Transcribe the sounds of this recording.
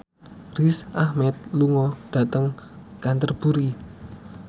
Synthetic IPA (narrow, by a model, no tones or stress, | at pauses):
risʔahmɛt̪̚luŋɔɖ̥a̤t̪əŋkant̪ərb̥uɾi